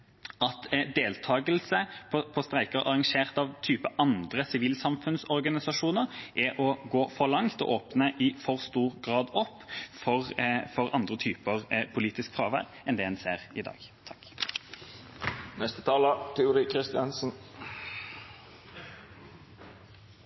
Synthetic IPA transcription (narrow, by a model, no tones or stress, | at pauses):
ɑt̪d̪eːlt̪ʰɑːɡəlsəpʰɔpʰɔst̪ɾæɪkəɾʔɑ̰ʁɑŋʂeːʁt̪ɑʋt̪ʰyːpəʔɑnd̪ʁəsɪʋiːlsɑmfʉnsɔʁɡɑnɪsɑʂuːnəʁʔæʔɔɡoːfɔʁlɑŋt̪ɔ̰ʔoːpnəʔɪfɔʁst̪uːʁɡʁɑːd̪ɔpːfɔʁfɔʁɑnd̪ʁət̪ʰyːpəʁpʰʊliːt̪ɪskfɾɑːʋə̰ɾ | ɛnd̪ɛhɛnseːʁɪd̪ɑ̰ːɡt̪ʰɑ̥k | nɛst̪ət̪ʰɑːlət̪ʰɛʊɾɪkʰɾɪst̪ɪɑnsn̩